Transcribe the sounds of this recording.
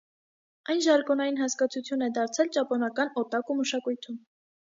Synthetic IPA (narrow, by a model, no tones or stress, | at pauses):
ɑjnʒɑɾkɔnɑjinɦɑskɑt͡sʰut͡sʰjunɛd̪ɑɾt͡sʰɛlt͡ʃɑpɔnɑkɑnɔt̪ɑkuməʃɑkujt̪ʰum